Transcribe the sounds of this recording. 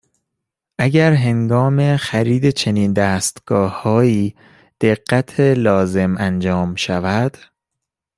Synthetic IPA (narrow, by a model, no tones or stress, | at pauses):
ʔæɟæɾɦe̞ŋɡɒːme̞xæɾiːd̪e̞t͡ʃʰe̞niːnd̪æːst̪ɡ̥ɒːhɒːiː | d̪̥e̞ɢːæt̪ʰelɒːze̞mænd͡ʒɒːmʃævæd̪̥